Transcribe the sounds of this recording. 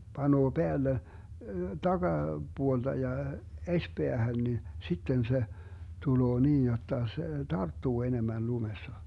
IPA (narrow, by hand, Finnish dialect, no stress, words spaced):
b̥ɑnuo b̥eælːe tɑɡ̊ɑ b̥uold̥ɑ jɑ esʲpeæhæn ni sitːen se tuloː niːj jotːɑ se tɑrtːuː enemæn lumesːɑ